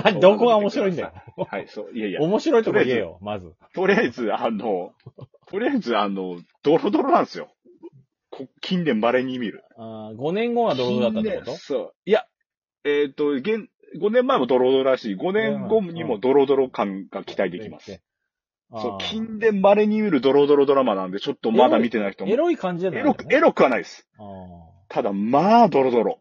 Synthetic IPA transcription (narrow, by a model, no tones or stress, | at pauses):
mad̪okoɡaomoɕiɾo̞ĩd̪ohaisoːjajaomoɕiɾo̞it̪oɾiaizejo̰mazɨ | t̪o̞ɾʲiaizɨano̞t̪ʰo̞ɾʲiaizɨano̞d̪̥o̞ɾo̞d̪o̞ɾo̞nãɰ̃sɨjo̞̰ | kʰokʲʰĩnd̪ẽ̞mbaɾe̞ɲ̟imʲiɾɯ̟aɡo̞nẽ̞ŋɡoad̪oɾod̪od̪at̪ːaẽt̪osoːia | et̪ːo̞ɡẽ̞n | ɡo̞nẽmːaemo̞d̪o̞ɾo̞d̪oɾoɾaɕiːɡo̞nẽ̞ŋɡoɲ̟imo̞d̪o̞ɾo̞d̪o̞ɾo̞kãŋɡ̥akʲi̥t̪aid̪e̞kʲima̰sɨɨ̥ | soːkʲʰĩnd̪ẽ̞mbaɾe̞ɲ̟imʲiɾɯ̟d̪o̞ɾo̞d̪o̞ɾo̞d̪o̞ɾamanãnd̪et͡ɕo̞t̪ːo̞mmad̪amʲit̪e̞naiçi̥t̪omɾoikãɲd͡ʑieɾokɯ̟e̞ɾo̞kɯ̟βanaid̪esɨ̥ | t̪ʰad̪amad̪o̞ɾo̞d̪o̞ɾo̞